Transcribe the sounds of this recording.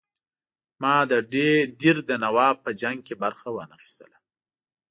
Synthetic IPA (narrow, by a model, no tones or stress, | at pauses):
mɑd̪əɖeɖiɾd̪ənawɑpəd͡ʒaŋɡ̚kebaɾxawənaxi̥st̪ə̰la